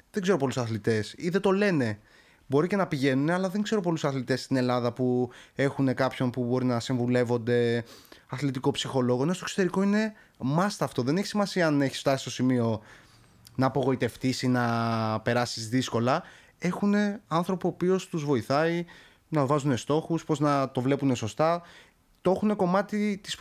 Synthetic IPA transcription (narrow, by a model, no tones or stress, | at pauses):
ðe̞ŋɡze̞ɾo̞p̬olusɐθlit̪e̞siðe̞t̪o̞le̞ne̞ | bo̞ɾice̞nɐpiʝe̞nune̞ɐlɐðe̞ŋɡze̞ɾo̞p̬o̞lusɐθlit̪e̞st̪ine̞lɐðɐpue̞xune̞kɐpço̞npubo̞ɾinɐsiɱvule̞vo̞nd̪e̞ɐθlit̪iko̞psixo̞lo̞ɣonest̪oso̥t̪e̞ɾiko̞ine̞ | mɐst̪ɐft̪o̞ðe̞ne̞çisimɐsiɐɐne̞çi̥sft̪ɐsi̥st̪o̞simio̞ | nɐːpo̞ɣo̞it̪e̞ft̪isinɐpe̞ɾɐsizðisko̞lɐ | e̞xune̞ɐnθɾo̞puopio̞st̪uzvo̞iθɐi | nɐvɐzune̞st̪o̞xuspo̞znɐt̪o̞vle̞pune̞so̞st̪ɐ | t̪oexune̞ko̞mɐt̪it̪i̥s